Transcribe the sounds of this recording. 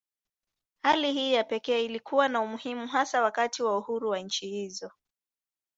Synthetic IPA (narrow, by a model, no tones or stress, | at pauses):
halihiːjapɛkɛːilikuwanaumuhimuɦasawakatiwauhuɾuwaɲ̩t͡ʃihizɔ